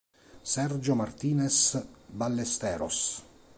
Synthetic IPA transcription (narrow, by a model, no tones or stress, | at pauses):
sɛrd͡ʒomart̪iːnesbalːest̪ɛːɾo̰s